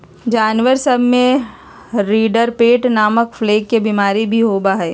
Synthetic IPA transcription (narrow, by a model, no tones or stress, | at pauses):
d͡ʒaːnʋəɾsɐbʱmẽ | ɾiːɖəɾpeːʈnaːməkfleːkːebiːmaːɾibʱiɦoːbaɦɛː